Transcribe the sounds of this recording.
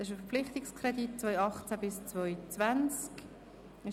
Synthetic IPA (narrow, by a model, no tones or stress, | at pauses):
ɪʃəfəpflɪχt̪ɪkskʰʁɛdit̚t͡svɔjɑχt͡sæbɪst͡svɔʏt͡svant͡sk | ɪ